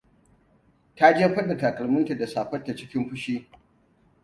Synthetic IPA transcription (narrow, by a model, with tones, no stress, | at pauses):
ta˦d͡ʒe˦ɸɐ˦ɗɐ˨ta˨kɐ˨lmʊ˦ntɐ˨da˨saː˨ɸɐ˦tːa˨t͡ʃɪ˦kʲɪ˦mɸʊ˦ʃiː˦